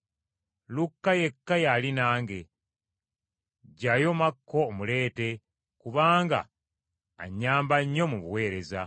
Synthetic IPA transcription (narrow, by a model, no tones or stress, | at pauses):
lukːaje̞kːajalinaːŋɡe̞ | ɟajo̞makːo̞ːmule̞ːte̞ | kuβaːŋɡa̰ː | ɲːaːmbaɲːo̞muβuwe̞ːɾe̞za̰